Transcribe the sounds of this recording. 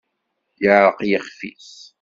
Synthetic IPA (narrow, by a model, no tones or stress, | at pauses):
jaɾˤqjəχfḭs